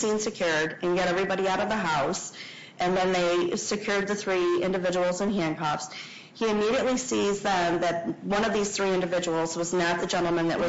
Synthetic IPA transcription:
sĩnsɨkʰj̥ʊɹɾɨ̃nɡɛɾɛvɹibɑɾiaʊɾʌvðəɦaʊs | ʔɨ̃nðɨ̃nðeɪsɨkʰj̥ʊɹd̪̚ðɨθɹiɪ̰̃ndɨvɪd͡ʒəwl̩ˠzɨ̃nɦæ̃nkʰɑfs | hiɨmiɾiɨʔˡlisizðə̃mðɨt̚wʌ̃ñʌvðiz̥θɹiɪ̃ndɨvɪd͡ʒəwl̩ˠzwʌznət̪̚ðɨd͡ʒɛ̃ñl̩ˠmɨ̃nðɨ̰ʔwʌ

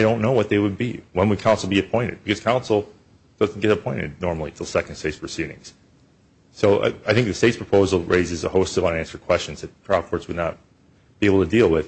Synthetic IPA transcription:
ɪɾõʊ̃nːoʊwʌt̪̚ðeɪwɨd̚biwə̃nwɨd̚kʰãʊ̃nsl̩ˠbiɨpʰɔ̃ɪ̃ɾ̃ɨ̰d̚bɨkʰʌz̥kʰãʊ̃nsl̩ˠ | d̥ʌzn̩ɡ̥ɛɾəpʰɔ̃ɪ̃ɾ̃ɨ̰dⁿnɔɹml̩ˠḭtʰɪlˠsɛknd̥steɪtspʰɹ̥ɨsiɾɪ̰̃ŋz̥ | soʊʔaɪθɪ̃ŋk̚ðɨsteɪtspʰɹəpʰoʊzl̩ˠɹeɪzɨzə̰hoʊstsʌṽnæ̃nsə˞kʰw̥ɛst͡ʃnzðɨt̚kʰɹ̥aʊv̚kʰɔɹtswɨdⁿnət̚ | b̥ieɪbl̩ˠtʰɨdilˠwɪð̥

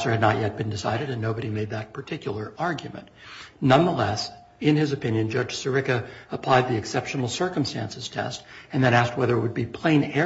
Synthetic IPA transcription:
sə˞ɨdⁿnət̚jɛt̚b̥ɨ̃ndɨsa̰ɪɾɨɾɨ̃nːoʊbɨɾimeɪd̪̚ðɨt̚pʰə˞tʰɪkjl̩ˠə˞ɑɹɡjʉmɨ̰̃nʔnʌ̃nðəlɛs | ɪ̃nɪzɨpɪ̃njɨ̃nd͡ʒʌ̥d͡ʒ̥sə˞ɪkɨəpʰl̥aɪd̪̚ðiɨksɛpʃnl̩ˠsɜ˞kə̃mstæ̰̃nsɨz̥tʰɛ̰stɨ̃nðɨ̃ɾ̃æsk̚t̚wɛðə˞ɨʔ̚wɨd̚bipʰl̥ẽɪ̃nɛ

